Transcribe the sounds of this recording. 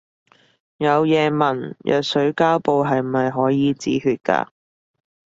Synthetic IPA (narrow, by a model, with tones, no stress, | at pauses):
jɐ˨˧wjɛː˨˧mɐ˨˩njʔœ̰ː˨k̚sɵ˨˥ɥkaː˥wpo˨˧wɦɐ˨jmɐ˨jɦɔː˨˥jiː˨˧t͡sḭː˨˥ɦyː˧t̚ka̰ː˧